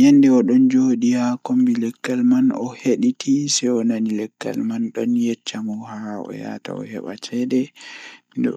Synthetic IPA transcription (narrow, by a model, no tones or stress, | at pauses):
jɛnːdɛɔɗɔnd͡ʒoːɗihakombilɛkːalmanɔ̰heɗitʰisɛɔnanilɛkːa̰lmanɗɔnjɛt͡ʃːamɔhaɔ̰ja̰ta̰ɔ̰hɛ̰ɓa̰t͡ʃʰɛɗɛ | ndɔ̰